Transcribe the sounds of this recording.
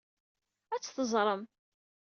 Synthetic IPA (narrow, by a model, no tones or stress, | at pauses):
æt͡sːθəzˤɾˤəm